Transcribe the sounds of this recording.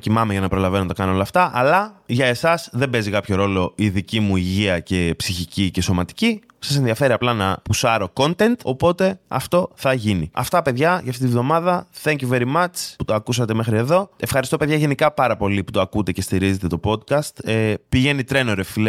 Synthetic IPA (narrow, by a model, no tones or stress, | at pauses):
cimɐmeʝɐnɐpɾo̞lɐvenot̪ɐkɐnoo̞lɐft̪ɐʔɐlɐʝɐe̞sɐsðe̞mbe̞zikɐpço̞ɾo̞lo̞iðicimuiʝiɐce̞psiçicice̞so̞mɐt̪i̥ci | sɐse̞nðiɐfe̞ɾiɐplɐnɐpusɐɾo̞ko̞nt̪e̞nt̪o̞po̞t̪e̞ɐ̰ft̪o̞θɐʝiniɐ̰ft̪ɐpe̞ðʝɐʝɐft̪it̪ivðo̞mɐðɐθeŋciveɾimɐt͡sput̪oɐkusɐt̪e̞mexɾie̞ðo̞e̞fxɐɾist̪o̞pe̞ðʝɐʝe̞nikɐpɐɾɐpo̞liput̪oɐkut̪e̞ce̞st̪iɾize̞t̪e̞t̪o̞po̞t̪kɐst̪epiʝe̞nit̪ɾe̞no̞ɾeffile